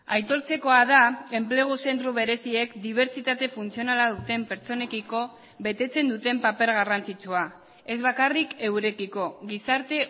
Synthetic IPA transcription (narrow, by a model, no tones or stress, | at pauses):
ajt̪o̞lt͡se̞ko̞aðae̞mple̞ɣ̞use̞nt̪ɾuβe̞ɾe̞sie̞kd̪iβ̞e̞ɾt͡ʃit̪at̪e̞funt͡sio̞nalaðut̪e̞mpe̞ɾt͡so̞ne̞kiko̞ | βe̞t̪e̞t͡se̞nd̪ut̪e̞mpape̞ɾɣarant͡sit͡sua | e̞zβakarike̞wɾe̞kiko̞ɣisaɾt̪e̞